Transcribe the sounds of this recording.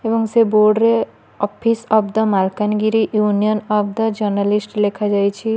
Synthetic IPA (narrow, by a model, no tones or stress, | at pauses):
ebʌŋseboɾɖɾe | ɔpʰisʌpd̪ʌmalkanɡiɾiʔjunijənʌp̚d̪əd͡ʒʌɾnalisʈlekʰad͡ʒajt͡ʃʰi